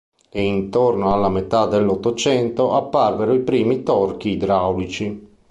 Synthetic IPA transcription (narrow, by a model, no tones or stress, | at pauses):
eint̪ornoalːamet̪ad̪elːot̪ːot͡ʃɛnt̪oʔapːarveɾoipɾiːmit̪ɔrk̟iːd̪ɾawlit͡ʃi